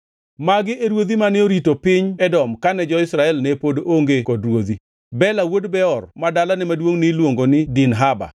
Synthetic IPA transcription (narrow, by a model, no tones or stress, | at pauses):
maɡɪʔeɾwod̪imanɪoɾitopɪɲɛdɔmkanɛd͡ʒɔɪsɾaɛlnɛpodoʔoŋɡekɔdɾwod̪i | bɛlawodbɛɔrmadalanɛmadwoŋnɪlwoŋɡonɪdinɦaba̰